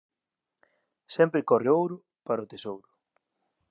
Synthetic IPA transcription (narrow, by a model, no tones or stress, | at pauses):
sɛmpɾɪkɔreowɾʊ | paɾaʊt̪esowɾʊ